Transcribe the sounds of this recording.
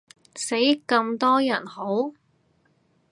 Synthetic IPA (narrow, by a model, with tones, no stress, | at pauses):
se˨˥jkɐ˧mt̪ɔː˥jɐ˨˩nho˨˥w